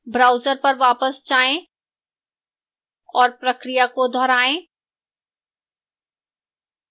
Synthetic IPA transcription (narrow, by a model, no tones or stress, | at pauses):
bɾaːʊzəɾpəɾʋaːpəst͡ʃaːẽ | ɔːɾpɾəkɾijakod̪ʱɔɾaːẽ